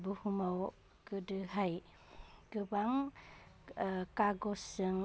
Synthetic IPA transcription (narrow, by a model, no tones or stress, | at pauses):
buhumaw | kɯdɯɦaj | ɡɯbaŋ | kaɡɔsɯŋ